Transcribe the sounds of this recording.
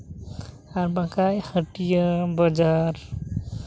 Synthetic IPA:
aɾbakajhəʈijəbʌd͡ʒaɾ

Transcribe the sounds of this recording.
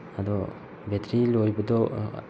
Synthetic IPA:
ad̪ɔ | bet̪ɾilojbad̪ɔ

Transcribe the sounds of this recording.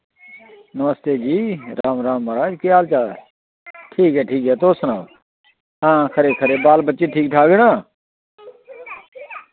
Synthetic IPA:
nəməst̪eːd͡ʒiːɾaːmɾaːmməɾaːd͡ʒkjaːlt͡ʃaː | ʈʰiːkɦɛːʈʰiːkɦɛːt̪oːsnaːʋ | ãːkʰəɾeːkʰəɾeːbaːlbət͡ʃeːʈʰiːk̚ʈʰaːɡɪɽãː

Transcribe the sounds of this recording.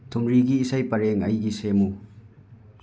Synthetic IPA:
t̪ʰumɹiɡiːsɐjpɐɾɛŋɐjɡisemu

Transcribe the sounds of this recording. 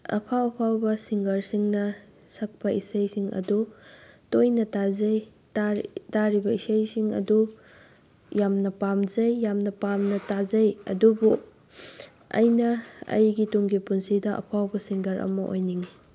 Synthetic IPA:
ɐ̰pʰawɐpʰawbɐsiŋɡɐɾsiŋnɐ | sɐk̚pɐisɐjsiŋɐ̰dutojnɐtazɐj | tataɾibɐisɐjsiŋɐ̰du | jamnɐpamzɐjːamnɐpamnɐtazɐjɐ̰dubu | ɐ̰jnɐɐ̰jɡituŋɡipunsidɐʔɐ̰pʰawbɐsiŋɡɐɾʔɐ̰mɐʔo̰jniŋ

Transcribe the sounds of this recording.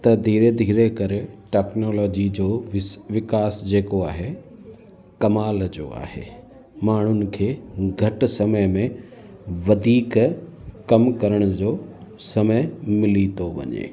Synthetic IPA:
t̪ɐd̪ʱiːɾed̪ʱiːɾekɐɾeʈɛːknoːlɔːd͡ʑid͡ʑoːʋɪkaːsd͡ʑeːkoa̰ːɦe | kɐmaːld͡ʑo̰ːa̰ːɦḛː | maːɳ̤ʊnɪ̆kʰeːɡʱɐʈ̆sɐməjmẽ | ʋɐd̪ʱiːk | kɐmkɐɾəɽ̃ʊd͡ʑoːsɐməjmɪlit̪ʰoʋɐ̰ɲḛː

